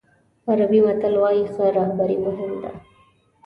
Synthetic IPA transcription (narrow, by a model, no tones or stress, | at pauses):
aɾabimat̪əlwɑjixaɾɑhbaɾimʊɦɪnd̪a̰